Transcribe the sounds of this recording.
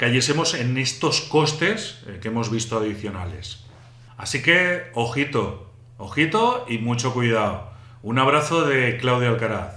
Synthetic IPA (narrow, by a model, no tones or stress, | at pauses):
kaʝe̞se̞mo̞se̞ne̞st̪o̞sko̞st̪e̞skeemo̞zβ̞ist̪oað̞iθjo̞na̰le̞̰s | a̰sike̞oxit̪o̞ | oxit̪o̞imut͡ʃo̞kwuiðao | unaβ̞ɾaθo̞ðe̞klawðjalkaɾaθ